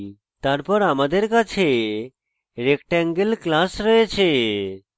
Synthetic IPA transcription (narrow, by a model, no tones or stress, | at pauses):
t̪aɾpɔɾamad̪eɾkat͡ɕʰe | ɾekʈɛŋɡelklasɾɔet͡ɕʰe